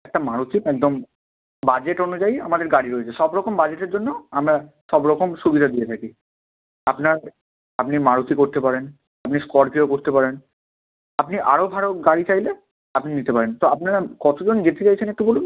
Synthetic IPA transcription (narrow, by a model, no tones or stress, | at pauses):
ɛk̚ʈamaɾut̪imɛk̚d̪om | bad͡ʑeʈonod͡ʑaja̰mad̪eɾɡaɽiɾoet͡ɕʰeʃɔbɾɔkombad͡ʑeʈeɾd͡ʑonːoamɾa | ʃɔbɾɔkomʃubid̪ʱad̪ijet̪ʰaki | apnaɾ | apnimaɾut̪ikoɾt̪epaɾen | apniskɔɾbʱiokoɾt̪epaɾen | apniʔa̰ɾobʱaɽoɡaɽit͡ɕajle | apninit̪epaɾent̪oapnaɾakɔt̪ʰod͡ʑond͡ʑet̪et͡ɕajt͡ɕʰenekʈubolu